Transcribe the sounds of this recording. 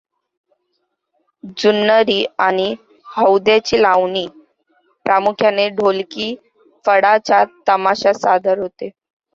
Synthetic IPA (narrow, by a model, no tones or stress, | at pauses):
d͡ʑunːəɾiːañi | həwd̪jat͡ɕiːlaʋɳiː | pɾamukʰjaneɖʱolkiː | fəɽat͡ɕat̪əmaɕasad̪ʱəɾɦot̪e